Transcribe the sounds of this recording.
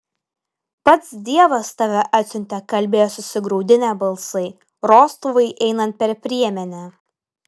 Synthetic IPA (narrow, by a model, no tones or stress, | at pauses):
pɐt̪sd̪ʲiɛʋɐst̪ɐʋʲɛʔɐt̪ʲsʲʊnʲt̪ʲɛkɐlʲbʲeːjoːsʊsʲɪɡɾɐʊd̪ʲɪnʲɛbɐlˠsɐɪ | ɾoːst̪uʋɐɪʔɛɪnɐnt̪̚ʲpʲɛɾʲpʲɾʲiɛmʲɛnʲɛ